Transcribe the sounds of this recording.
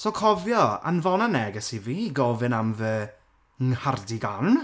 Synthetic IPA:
sokʰɔvjɔa̰nvɔnanɛɡɛsiviːiɡɔvɨnamvəː | ŋhardiɡan

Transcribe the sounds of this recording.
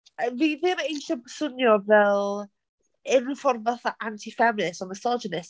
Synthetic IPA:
viːðɪmaejɬɔbəsʊnjɔvɛlˠ | ɪnɪnfɔrvaθaʔantʰifɛmɪnɪstɔməsɔd͡ʒənɪs

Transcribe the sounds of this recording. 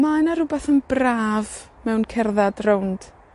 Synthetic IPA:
manaɾʊbaθənbraːvmɛwnkʰɛrðadrownd̥

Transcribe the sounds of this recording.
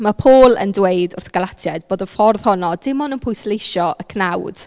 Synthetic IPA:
mapʰoːlˠə̰ndwejdʊrθɡ̥alˠatʰjɛd̚b̥oːdɔfɔrð̥hɔnɔdɪmɔnənpʰʊjslejʃɔʔəkʰnawd̥

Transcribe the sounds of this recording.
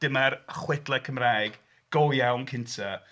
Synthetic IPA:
d̥ɪmarχwɪdlˠɛkʰəmraːjɡ | ɡ̥owjawnkʰɪntʰa

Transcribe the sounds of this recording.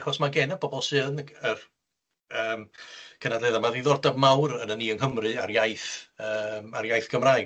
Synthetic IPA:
χɔsmaɡɛnəbɔbɔlˠsɨənər | əːmkʰənadlˠeðamaðiðɔrdavmawɾənəniːəŋɦəmrɨarjajθəːmarjajθɡ̥əmraːj

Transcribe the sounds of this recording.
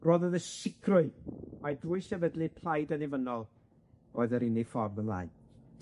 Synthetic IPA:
roːðəðəsɪkʰrʊɨmajdruɨsɛvədlipʰl̥ˠajdənɪvənɔlˠ | oːɨðəɾɪnifɔrvənlˠa̰ːjn

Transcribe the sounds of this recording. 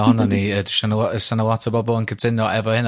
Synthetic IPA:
hɔnaniəduʃanəlɔəsanəlˠɔtʰəbɔbɔlˠənkʰətʰɪnɔɛvɔhɪn

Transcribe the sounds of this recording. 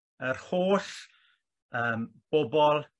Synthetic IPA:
ərhoːɬ | əːmb̥ɔbɔlˠ

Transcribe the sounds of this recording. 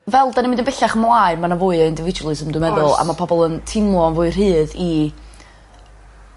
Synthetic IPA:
vɛlˠdanimɪ̃ndənb̥ɪɬaχəmlˠaɨmanavʊːɨəɪndɪvɪd͡ʒwlˠɨsəmdwɨmɛðʊlˠa̰mapʰɔbɔlˠəntʰɪmɔnvʊɨr̥ɦɨːði

